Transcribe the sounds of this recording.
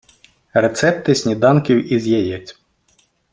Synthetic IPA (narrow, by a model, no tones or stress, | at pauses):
ret̪sɛpt̪ɪsʲnʲid̪ɑnkʲiwʔizʲjɛjɛt͡sʲ